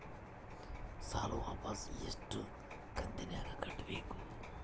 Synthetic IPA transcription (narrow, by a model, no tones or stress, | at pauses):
sa̰ːloʋa̰ːpɐsjḛsʈːu | kʰɐnd̪injaːkɐkʰɐʈːbeːku